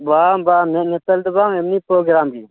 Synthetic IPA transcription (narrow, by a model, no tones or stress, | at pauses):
bambamnɛt̪net̪əld̪əbaŋemnipɾoːɡɾamɡi